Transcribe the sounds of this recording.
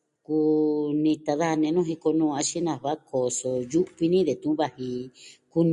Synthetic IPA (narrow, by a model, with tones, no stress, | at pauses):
ku˧nĩ˧t̪a˧ða˦˧nẽ˧nũ˦ɦi˧ko˧nũː˧a˧ʃi˦nã˧˨βa˦kʰo˨so˧ju˦ʔβi˧nĩ˦ðe˨t̪ũ˧˦βa˧hi˧ku˦ñ˧